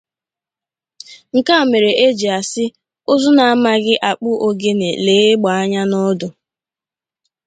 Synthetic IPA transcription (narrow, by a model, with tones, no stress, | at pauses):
ŋ̩˨ka˦˨me˨ɾe˨ʔe˦d͡ʒi˨a˨sɪ˦ | o˦zʊ˦na˨a˦ma˦ɣɪ˦ʔa˨k͡pʊ˦ʔo˦ɡe˦nḛ˨leː˨˦e˦ɡ͡ba˨a˦ɲa˦nɔ˦dʊ˨